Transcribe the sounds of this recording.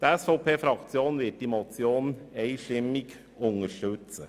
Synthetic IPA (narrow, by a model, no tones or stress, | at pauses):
d̥̪əɛsfɔʊpʰeːfɾɑk̪sɪuːnʋɪt̪imɔt̪sɪuːnneɪʂɪmɪɡ | ʊŋəʂʈʉt̪sə